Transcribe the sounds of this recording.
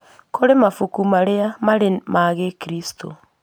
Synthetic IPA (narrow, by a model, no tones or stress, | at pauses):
kʰoɾemafukumaɾeamaɾemaɣekɾistʰo̰